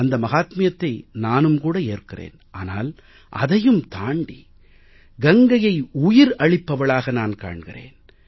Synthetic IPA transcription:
ɐnd̪ɐmɐɣaːt̪mɪjɐt̪ːɐɪnaːnɯmkuːɽɐeːrkɪrḛːnʔaːnaːl | ʔɐ̰ðɐjɯmt̪aːɳɖi | ɡɐŋɡɐjɐɪʊjɪɾɐɻɪpːɐʋɐɭaːɣɐnaːnka̰ːɳɣɪrḛːn

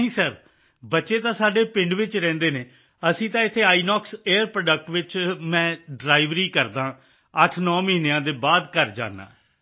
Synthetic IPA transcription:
ɦĩːsəɾ | bətːʃeːt̪ãːsaːɖeːpɪ̃ɳɖʋɪt͡ʃɾɛ̃ːnd̪eːneː | əsĩːt̪ãːɪt̪ʰːeːaːiːnɔːkseːəɾpɾoːɖək̚ʈʋɪt͡ʃmɛ̃ːɖɾaːɪʋɾiːkəɾd̪ãː | əʈʰnɔːməɦĩːneãːd̪eːbaːd̪kəɾd͡ʒa̰ːnːa̰ː

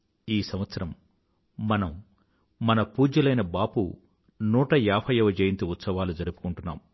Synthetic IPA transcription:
iːsɐmʋɐt̪sɐɾɐmː | ɐnɐmː | ɐnɐpuːd͡ʒɐlɐjnɐbaːpṵ | nuːʈɐjaːpʰɐjɐʋɐd͡ʒeːjint̪uut̪sɐʋaːlud͡ʒɐɾupu̥kuɳʈunːa̰ːm

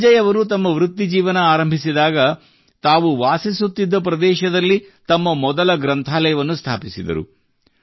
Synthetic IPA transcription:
d͡ʒɐjɐʋɐɾut̪̬ɐmːɐʋɾut̪ːid͡ʒiːʋɐnɐaːɾɐmbʱisid̪aːɡɐ | t̪aːʋuʋaːsisut̪ːid̪ːɐp̬ɾɐd̪ɛːʃɐd̪ɐlːit̪ɐmːɐmɔd̪ɐlɐɡɾɐnt̪ʰaːlɐjɐʋɐnːust̪ʰaːpisid̪ɐ̰ɾṵ

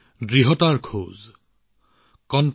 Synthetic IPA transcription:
dɹiɦɔtaɹkʰoːz | kɔnt

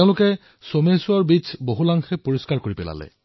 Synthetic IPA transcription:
eʊ̃lʊkɛ | somesuaɹbit͡ʃʰboɦulaŋxɛpoɹiskaɹkoɹipɛla̰lɛ̰

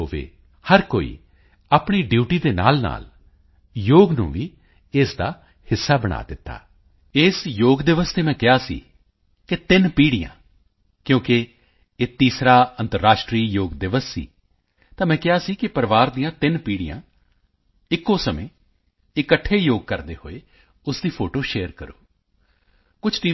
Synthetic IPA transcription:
oːʋḛː | həɾkoːḭː | aːpɳiːɖjuːʈiːd̪eːna̰ːlna̰ːl | joːɡnṵ̃ːʋiː | ɪsd̪aː | hɪsːaːbəɽ̃a̰ːd̪ɪt̪ːa̰ː | ɪːsjoːɡd̪ɪʋəst̪eːmɛ̃ːkɪaːsḭː | kɪt̪ɪnpiːɽɪjã̰ː | kjõːkɪː | t̪iːsɾaːənt̪əɾːaːʃʈɾiːjoːɡd̪ɪʋəsːḭː | t̪ãːmɛ̃ːkɪaːsiːkɪpəɾʋaːɾd̪ijãːt̪ɪnpiːɽɪjã̰ː | ɪkːõːsəmḛ̃ː | ɪkəʈʰːeːjoːɡ̚kəɾd̪ḛːho̰ːeː | ʊsd̪iːpʰoːʈoːʃeːəɾkəɾo̰ː | kʊt͡ʃʰʈiː

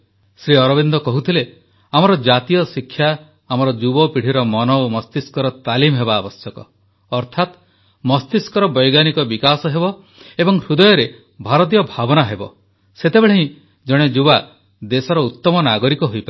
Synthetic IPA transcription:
sɾiɔɾɔbind̪ɔkɔɦut̪ʰile | amɔɾɔd͡ʒat̪ijɔsikʰːjaː | mɔɾɔd͡ʒubɔpiɽ̤iɾɔmɔnɔomɔst̪iskɔɾɔt̪alimɦebaːbɔsjɔkɔː | ɾt̪ʰat̪ | mɔst̪iskɔɾɔbɔjɡanikɔbikasɔɦebɔ | ebɔŋɾud̪ɔjɔɾe | bʱaɾɔt̪̬ijɔbʱabɔnaɦebɔ | set̪ebeɭeɦĩ | d͡ʒɔɽ̃ed͡ʒuba | d̪esɔɾɔut̪ːɔmɔnaɡɔɾikɔɦojpae

